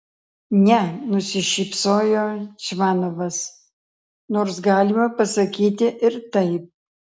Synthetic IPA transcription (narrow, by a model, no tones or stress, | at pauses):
nʲɛnʊsʲɪʃʲiːpsoːjoːt͡ʃmɑːnoʋɐs | noːɾsɡɑːlʲɪmɐpɐsɐkʲiːt̪ʲɪʔɪɾt̪ɐɪp̚